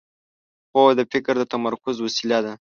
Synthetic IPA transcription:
xowd̪əfɪkɾd̪ət̪amaɾkʊzwasilad̪a

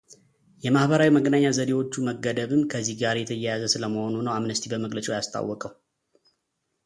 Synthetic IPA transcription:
jɛmahbəɾawiməɡənaɲːazəd̪ewo̞t͡ʃːuməɡːəd̪əβɨmkʰəzːihɡaɾjɛt̪ʰəjɛjazəsɨləməho̞nunəwamnəst̪ʰibəməɡlət͡ʃʼojast̪ʰʼa̰wːɔkʼəw

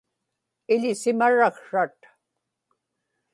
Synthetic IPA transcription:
ɪʎɪsɪmaɻakʂat̪

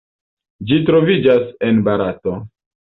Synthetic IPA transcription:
d͡ʒitɾo̞vid͡ʒasenbaɾato

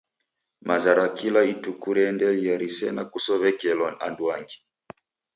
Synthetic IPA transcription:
mazaɾakilaitukuɾɛndɛlijaɾisɛnakusɔβɛkɛlɔna̰nduaŋɡi

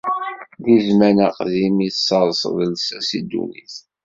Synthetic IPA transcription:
ðizmænəqðimiθsːɑðˤsˤðˤəlsæsid̪ːṵniθ

